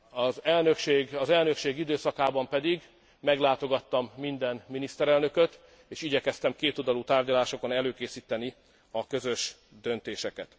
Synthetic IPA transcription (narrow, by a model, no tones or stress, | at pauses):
ɒzɛlnøkʃeːɡɒzɛlnø̞kʃeːɡid̪øːsɒkaːbɒmpɛd̪iɡ | mɛɡlaːt̪o̞ɡɒt̪ːɒmːind̪ɛnminist̪ɛɾɛlnø̞køt̪ | eːʃiɟɛkɛst̪ɛmkeːt̪old̪ɒlut̪aːrɟɒlaːʃoko̞nɛløːkeːsiːt̪ɛni | ɒkø̞zøʃ | d̪ønt̪eːʃɛkɛ̰t̪